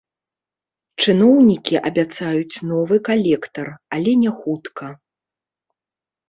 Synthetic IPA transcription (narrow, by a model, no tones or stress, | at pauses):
t͡ʂɨnɔwnʲikʲiʔɐbʲat̪sajut͡sʲnɔvɨkalʲɛkt̪ɐralʲɛnʲɛxut̪kɐ